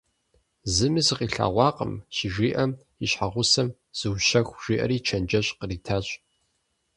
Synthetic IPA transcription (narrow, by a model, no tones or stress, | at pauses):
zɨmɨzɨqiːɬa̰ːʁʷɑːqə̰mɕɪʒiːʔɐm | iɕħaʁʷʊsɐm | z̥ɨwɕɐxʷʒ̥iːʔɐ̰ɾiːt͡ʃʰɐnd͡ʒɐɕʼqəriːtʰaːɕʼ